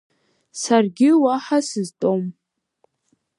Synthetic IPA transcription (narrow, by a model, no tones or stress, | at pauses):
sarɡʲɪwaħasɨztʼom